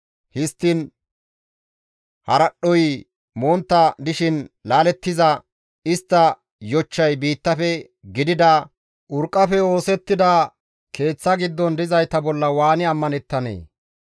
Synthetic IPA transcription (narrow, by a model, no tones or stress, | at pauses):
hɪst̪ːɪn | hɐɾɐɗːɔj | moːnt̪ːɐd̪ɪʃɪnlaːlɛt̪ːɪzɐ | ɪst̪ːɐ | jɔt͡ʃːɐjbiːt̪ːɐfɛ | ɡɪd̪ɪd̪ɐ | ʔʊɾkʼːɐfɛo̞ːsɛt̪ːɪd̪ɐ | kʰe̞ːt͡sːɐɡɪd̪ːɔnd̪ɪzɐjt̪ɐbɔlːɐwaːnɪɐmːɐnɛt̪ːɐnḛː